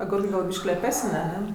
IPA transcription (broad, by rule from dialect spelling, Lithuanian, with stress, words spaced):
ɐˈɡʊrkɜ ˈɡɐlˠ ˈbʲɪʃʲkʲiː lʲɛˈpʲæːsənʲ ɐˈnʲɛ